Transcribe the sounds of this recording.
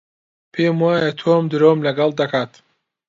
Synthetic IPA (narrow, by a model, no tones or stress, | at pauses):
pʰeːmwaːjɐt̪ʰoːmd̪ɨɾoːmlɐɡɐlˠd̪ɐkʰaːt̪